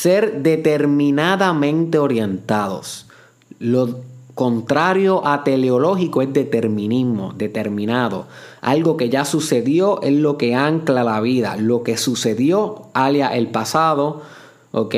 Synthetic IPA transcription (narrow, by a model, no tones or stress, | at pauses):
se̞ɾd̪e̞t̪e̞ɾmĩnaðamẽ̞nt̪e̞o̞ɾje̞nt̪aðo̞̰s | lo̞ko̞nt̪ɾaɾjo̞ʔat̪e̞leolo̞ɦikoezd̪e̞t̪e̞ɾmĩnizmo̞̰d̪et̪e̞ɾmĩnaðo̞̰a̰lɡo̞ke̞ʝasuse̞ðjo̞ʔe̞slo̞ke̞aŋklalaβiða̰lo̞ke̞suse̞ðjo̞aljaʔelpasaðo̞ | oke